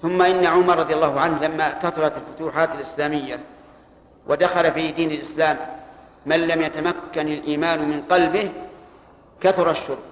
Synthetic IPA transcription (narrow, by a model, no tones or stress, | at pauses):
θʊmːaʔɪnːaʕʊmɑɾˤɑd̪ˤjalːɑːhʊʕanhlamːakat̪ʊɾˤɑt̪alfʊt̪uːħaːt̪alʔɪslaːmɪjːa | wʔad̪axɑlafid̪iːnalʔɪslaːmː | anlamjat̪amakːanalʔiːmaːnʊmɪnqɑlbɪh | kaθʊɾˤɑʃːʊɾb